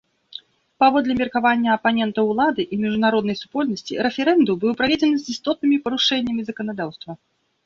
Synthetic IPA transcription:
pavɔd̪lʲɛmʲirkavanʲːɐɐpanʲɛnt̪ɐwlˠad̪ɨʔimʲiʐunaɾɔd̪nɐjsu̥pɔlʲnɐsʲt͡sʲḭɾɛfʲɛɾɛnd̪umbɨwpɾavʲed͡zʲɛnɨzʲist̪ɔt̪̚nɨmʲipɐɾuʂɛnʲːɐmʲizɐkɐnad̪awst̪vɐ

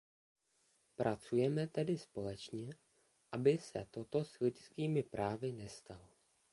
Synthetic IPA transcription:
pɾʔat͡sujɛmɛt̪ɛdɪspo̞lɛt͡ʃɲɛ | ʔabɪsɛ̰t̪o̞t̪o̞slɪcskiːmɪpɾaːvɪnɛst̪alo

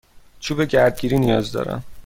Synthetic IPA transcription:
t͡ʃʰuːbe̞ɟæɾd̪̚ɟiːɾiːnijɒːzd̪ɒ̰ːɾæ̰n

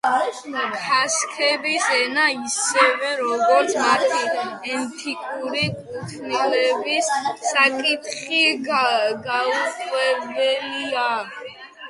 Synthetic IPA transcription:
kʰaskʰɛbisɛnaisɛvɛɾɔɡɔɾt̪sʰmat̪ʰiɛnt̪ʰikʼuɾikʼutʰmilɛbisːakʼit̪ʰχi | ɡauqʼwɛbɛlia

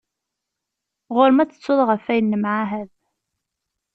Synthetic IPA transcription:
ʁʊɾmæt͡sə̥t͡sːʊðˤʁəfæjənːəmʕaɦæð

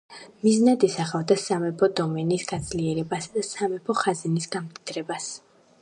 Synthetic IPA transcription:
miznad̪ɛsaχavd̪asamɛpʰɔd̪ɔmɛnisɡad̪z̥liɛɾɛbasad̪asamɛpʰɔχaznisɡamt̪ʼid̪̥ɾɛbas

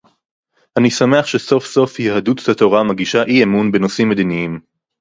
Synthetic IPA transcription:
anisame̞aχʃeso̞fso̞fjehad̪uttatoʁamaɡiʃaʔiemunbenosimːed̪iniim

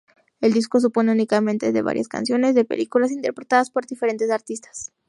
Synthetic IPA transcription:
e̞ld̪isko̞s̬upo̞ne̞unikament̪e̞ðe̞βa̰ɾjʔaska̰nsjo̞ne̞zðe̞pe̞̰lʔikulas̬int̪e̞ɾpɾe̞t̪aðaspo̞ɾðife̞ɾe̞nt̪e̞saɾt̪ist̪ḁs

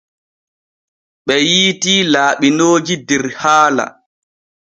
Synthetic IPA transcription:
ɓɛjiːtiːlaːɓinoːd͡ʒidɛɾhaːla̰

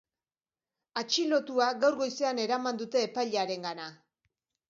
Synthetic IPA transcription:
at͡ʃilo̞t̪uaɣawɾɣo̞jse̞ane̞ɾamand̪ut̪e̞ːpajʎaɾe̞ŋɡana

